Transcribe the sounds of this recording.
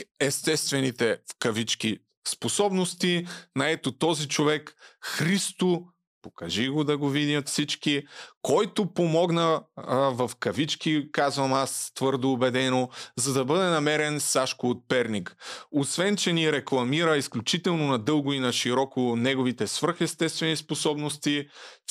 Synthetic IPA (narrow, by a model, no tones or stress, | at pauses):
ɛst̪ɛst̪vɛnit̪ɛfkɐvit͡ʃk̟i | sposɔbnost̪inɐɛt̪ot̪ɔzit͡ʃovɛkxɾist̪o | pokɐʒiɡod̪ɐɡovid̪ʲjɐt̪fsit͡ʃkikɔjt̪opomɔɡnəvɐfkɐvit͡ʃkikazvɐmast̪vɤɾd̪oːbɛd̪ɛnozɐd̪ɐbɤd̪ɛnɐmɛɾɛnsaʃkʊːt̪̚pɛɾnikosvɛnt͡ʃɛniɾɛklˠɐmiɾəisklʲut͡ʃit̪ɛlˠnonɐd̪ɤlˠɡʊinɐʃiɾɔkonɛɡovit̪ɛsvɾ̩xɛst̪ɛst̪vɛnisposɔbnost̪i